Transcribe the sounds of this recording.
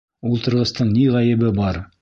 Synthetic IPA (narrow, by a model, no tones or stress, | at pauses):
ulˠt̪ɤ̆ɾʁɤ̆st̪ɤɴniʁɑjɘ̆βɘbɑɾ